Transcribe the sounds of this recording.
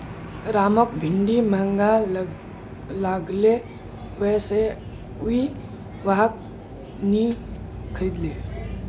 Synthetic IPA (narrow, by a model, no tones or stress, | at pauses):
ɾaːmɔkbʱɪɳɖiməŋɡa | laɡle | ʋɛːse | ui | ʋak̚ | ni | kʰəɾiːd̪leː